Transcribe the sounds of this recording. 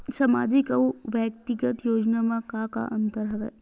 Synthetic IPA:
sɐma̰ːd͡ʒɪkɐuʋjək̚t̪iɡət̪joːd͡ʒnamãkaka̰ʔɐnt̪əɾɦɐʋḛː

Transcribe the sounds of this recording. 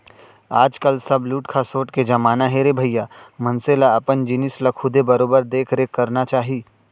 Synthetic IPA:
aːd͡ʒkəlsɐbluːʈkʰasoːʈked͡ʒɐmaːnaɦeːɾebʱəjːamɐ̃nselaɐpənd͡ʒɪnɪslakʰʊd̪ʱebɐɾoːbəɾd̪eːkʰɾekɐɾnat͡ʃaːɦiː

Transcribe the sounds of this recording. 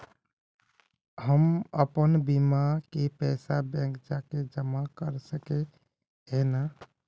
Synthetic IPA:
həməpənbimakepɛsabɛ̃kd͡ʒaked͡ʒəmakəɾsəke | ɦena

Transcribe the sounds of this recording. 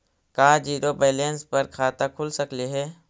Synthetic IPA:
kaːd͡ʒiːɾobeːleːnspɐɾkʰaːt̪akʰʊlsəkleɦɛː

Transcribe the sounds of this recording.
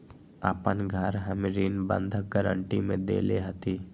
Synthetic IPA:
a̰ːpənɡʱəɾɦəmɾiːnbə̰̃nd̪ʱəɡəɾə̰ɳʈimẽd̪ḛːleɦɐt̪iː

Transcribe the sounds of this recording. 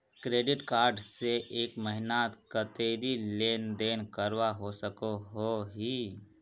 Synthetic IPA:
kɾeːɖɪʈkaːɾɖseʔeːkməɦɪnaːt̪kət̪eːɾileːnd̪eːnkəɾwaɦosəkoɦoɦiː

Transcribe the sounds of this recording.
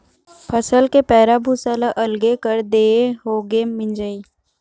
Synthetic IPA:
pʰəsəlkepɛːɾabʱusalaʔɐlɡekəɾd̪eːɦoːɡemɪ̃nd͡ʒəi

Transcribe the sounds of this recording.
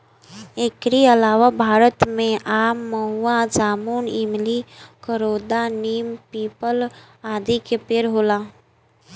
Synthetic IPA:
ekɾiəlaːʋabʱaːɾət̪mẽʔaːmːəɦuad͡ʒaːmuːnimlikəɾoːd̪aniːmpiːpəl | aːd̪ikepeːɾɦoːlaː

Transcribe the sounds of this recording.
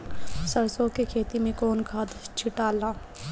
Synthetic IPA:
səɾsõkekʰeːt̪imẽkɔːnkʰaːd̪t͡ʃʰɪʈaːlaː

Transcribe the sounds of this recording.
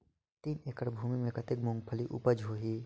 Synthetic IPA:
t̪iːneːkəɽbʱuːmimẽkɐt̪ɪk̚mʊ̃ŋɡ̚pʰəliʔṵpəd͡ʒɦoːɦiː

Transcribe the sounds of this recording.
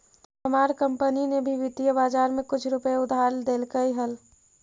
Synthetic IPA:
əmaːɾkə̃mpəninebʱiʋɪt̪ijəbaːd͡ʒaːɾmẽkʊt͡ʃʰɾʊpəeʊd̪ʱaːɾd̪eːlkəiɦəl

